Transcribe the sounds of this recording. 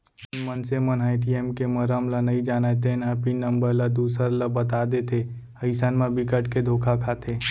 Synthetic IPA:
nmənsemənaːɪʈ̬iemkeməɾəmlənɐid͡ʒaːnet̪enəpinɐ̃mbəɾlad̪uːsəɾləbɐt̪ad̪et̪ʰe | əɪsanmãbʱikəʈked̪ʱoːkʰakʰat̪ʰeː

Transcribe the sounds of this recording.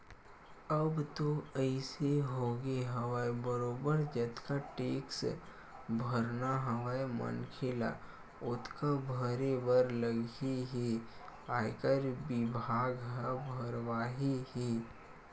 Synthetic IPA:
əbt̪oəɪseɦoːɡeɦɐʋaːebəɾoːbəɾd͡ʒət̪kaʈeːks | bʱəɾnaɦəʋajmə̰nkʰɪla̰ | ʊt̪ʰkabʱəɾebəɾləɡiɦiaːkəɾbɪbʱaːɡɦəbʱəɾʋaːɦihi

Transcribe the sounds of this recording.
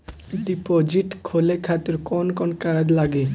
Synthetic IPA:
ɖipod͡ʒiʈkʰolekʰat̪oɾkɔnkɔnkaɾdlaɡe

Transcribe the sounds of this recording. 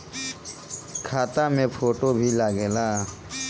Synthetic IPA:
kʰaːt̪amẽpʰoːʈobʱilaːɡeːlaː

